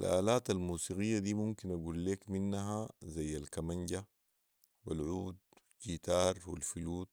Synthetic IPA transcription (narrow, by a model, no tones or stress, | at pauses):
lʔa̰ːlaːt̪almuːsiːɣijːad̪iːmumkinʔaɡulːeːkminːaɦazajːalkamanɟa | wilʕuːd̪̚wilɟiːt̪aːɾˤwḭlfiluːt̪̚